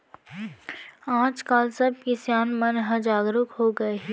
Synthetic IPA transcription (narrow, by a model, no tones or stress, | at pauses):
ãːt͡ʃkaːlsɐb̚kisjaːnmɐnɦɐd͡ʒaːɡɾʊkɦoːɡɐeɦɛ